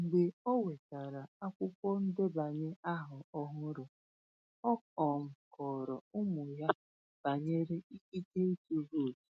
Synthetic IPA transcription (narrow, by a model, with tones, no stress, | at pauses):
ŋ͡m̩˨ɡ͡be˨ɔ˦we˨ka˨ɾa˨a˦kʷʊ˦kʷɔ˦n̩˦de˦ba˨ɲe˦a˦ɦʊ˨ɔ˦ɦʊ˦ɾʊ˨ | ɔ˦kɔ˨ŋ̩˨kɔ˨ɾɔ˨ʊ˦mʊ˨ja˦ | b̥a˨ɲe˦ɾe˦i˦ki˦ke˦i˦ke˦ɦo˦˨d͡ʒi̥˨